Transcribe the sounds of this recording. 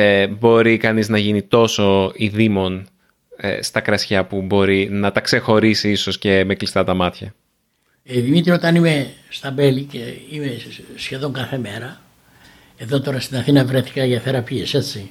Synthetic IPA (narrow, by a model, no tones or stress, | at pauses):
bo̞ɾikɐniznɐʝinit̪o̞so̞iðimo̞n̰ | st̪ɐkɾɐsçɐpubo̞ɾinɐt̪ɐkse̞xo̞ɾisiiso̞sce̞meklist̪ɐt̪ɐmɐt̪çɐ | eðimit̪ɾiot̪ɐnimest̪ɐbe̞liceimesçe̞ðo̞ŋkɐθe̞me̞ɾɐ | eðo̞t̪o̞ɾɐst̪inɐθinɐvɾeθi̥kɐʝɐθeɾɐpiese̞t͡si